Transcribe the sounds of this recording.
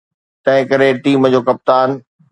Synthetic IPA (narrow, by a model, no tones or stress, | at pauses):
t̪ɐ̃ɦɪ̃kɐɾeʈiːmd͡ʑoːkɐp̚t̪aːn